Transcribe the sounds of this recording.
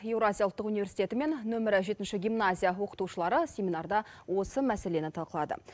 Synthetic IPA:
e̞wɾoazʲijalˠt̪ːəqunive̞ɾsit̪e̞t̪ɪme̞nːɵmɪɾɪʒe̞t̪ɪnʃɪɡʲijmnazʲijawo̞qə̥t̪uʃəlˠɑɾəsʲe̞mʲinɑɾd̪ɑwo̞səmæse̞le̞nɪt̪ʰɑlˠqəlˠɑd̪ə̰

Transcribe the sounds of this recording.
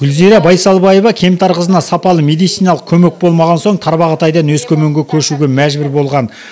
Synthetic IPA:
ɡ̥ʲʏlziɾɑbɑjsɑlˠbɑjevɑkʲʰe̞mt̪ʰɑɾqəzənɑsɑpɑlˠəme̞d̪ijt̪sijnɑlˠəq̚kʲʰɵme̞k̚bo̞lˠmɑʁɑnso̞ɴt̪ʰɑɾbɑʁət̪ɑjd̪ɑnwɵskʲʰɵmeŋɡʲekʲʰɵʃuɡʲe̞mæʒbɪɾbo̞lˠʁɑn

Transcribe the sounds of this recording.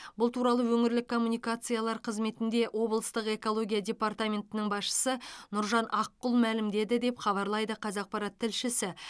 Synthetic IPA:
bʊlˠt̪ʰuɾɑlˠəwɵŋɪɾlɪkʰːo̞mːunijkat̪sɨjalˠɑɾqʰəzme̞t̪ɪnd̪e̞ʔwʔo̞blˠəst̪əqe̞ko̞lˠo̞ɡʲijadʲe̞part̪amʲe̞nt̪ɪnɪŋbɑsʃə̥sənʊɾʒɑnʔɑqːʊlˠmælɪmd̪e̞d̪ɪd̪e̞pχɑβɑɾlˠɑjd̪əqʰɑzɑq̚pɑɾɑt̪ʰːɪlʃɪsɪ

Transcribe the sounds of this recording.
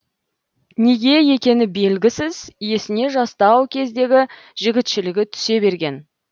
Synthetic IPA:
ne̞ɡʲe̞je̞kʲe̞nɪbe̞lɡʲɪsɪzje̞sɪne̞ʒɑst̪ɑwkʲʰe̞zd̪e̞ɡʲɪ | ʒɪɡʲɪt̪ʃɪlɪɡʲɪt̪ʰʏ̥se̞be̞ɾɡʲe̞n

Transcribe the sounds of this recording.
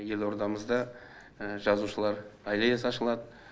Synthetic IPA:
je̞lˠo̞ɾd̪ɑməzd̪ɑ | ʒɑzuʃəlˠɑɾɑjlˠɑjesɑʃəlˠɑd̪ə

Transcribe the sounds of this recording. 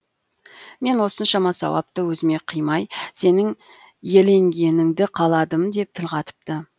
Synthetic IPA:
me̞nwo̞sənʃɑmɑsɑ̰wɑ̰p̚t̪əwɵzɪme̞qʰəjmɑjse̞nɪŋ | je̞le̞ŋɡʲe̞nɪŋd̪ɪqʰɑlˠɑd̪əmd̪e̞p̚t̪ʰɪlqɑt̪ə̥p̚t̪ə

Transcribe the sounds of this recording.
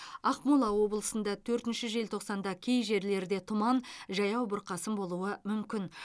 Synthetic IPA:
ɑqmulˠɑwo̞bəlˠəsənd̪ɑt̪ʰɵɾt̪ɪnʃɪʒe̞lt̪ʰo̞qsɑnd̪ɑkʲʰe̞jʒe̞ɾle̞ɾd̪e̞t̪ʰʊmɑnʒɑjɑwbʊɾqɑsəmbo̞lˠuəmʏmkʲɪn

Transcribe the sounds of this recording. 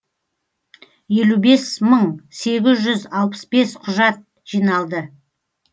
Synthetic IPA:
je̞lube̞sməɴse̞ɡʲɪzʒʏzɑlˠpə̥sbe̞sqʰʊʒɑt̪̚ | ʒ̥ijnɑlˠd̪ə

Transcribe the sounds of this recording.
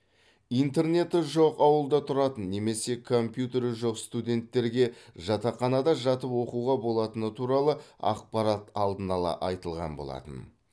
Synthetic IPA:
ijnt̪e̞ɾne̞t̪ɪʒo̞qɑwəlˠd̪ɑt̪ʰʊɾɑt̪ənːe̞me̞se̞kʰo̞mpjut̪e̞ɾʒoqst̪ud̪ʲe̞nt̪ːe̞ɾɡʲe̞ʒɑt̪ɑqɑnɑd̪ɑʒɑt̪əpwo̞quʁɑbo̞lˠɑt̪ənət̪ʰuɾɑlˠəɑ̰q̚pɑɾɑt̪ɑlˠd̪ənɑlˠɑ̰ʔɑjt̪əlˠʁɑ̰nbolˠɑ̰t̪ə̰n

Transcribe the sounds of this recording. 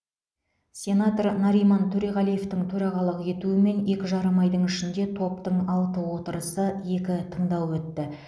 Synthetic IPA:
sʲe̞nat̪ornɑɾijmant̪ʰɵɾeʁɑlˠije̞ft̪ɪŋt̪ʰɵɾɑʁɑlˠəqe̞t̪uɪme̞nje̞kʲɪʒɑɾəmɑjd̪əɴɪʃɪnd̪e̞t̪ʰo̞pt̪əɴɑlˠt̪əwo̞t̪əɾəsəje̞kʲɪt̪ʰəɴd̪ɑwwɵt̪ːɪ

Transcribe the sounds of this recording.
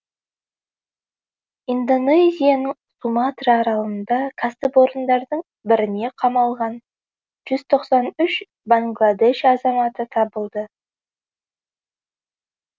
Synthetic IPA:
ind̪o̞nezʲijanəɴsumat̪rɑːɾɑlˠənd̪ɑkʰast̪əboɾənd̪ɑɾd̪əɴ | bɪɾɪne̞qʰɑmɑlˠʁɑn | ʒ̥ʏz̥t̪ʰo̞qsɑnʏʃ | baŋɡlˠad̪e̞ʃɑzɑmɑt̪ət̪ʰɑbəlˠd̪ə

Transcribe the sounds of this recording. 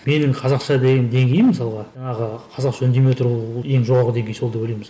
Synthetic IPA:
me̞nɪŋqʰɑzɑqʃɑd̪eɡʲend̪e̞ŋɡʲe̞jɪmmːəsɑlˠʁɑʒɑɴɑʁəqʰɑzɑqʃɵnd̪emewt̪ʰɾje̞ŋʒo̞ʁɑɾʁəd̪e̞ŋɡʲe̞jso̞ld̪ɑpwɵlejmɪz

